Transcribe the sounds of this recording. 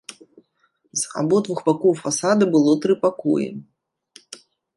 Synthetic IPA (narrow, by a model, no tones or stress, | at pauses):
za̰bɔd̪vuxbakɔwfasad̪ɨbɨlˠɔt̪ɾɨpakɔ̰jḭ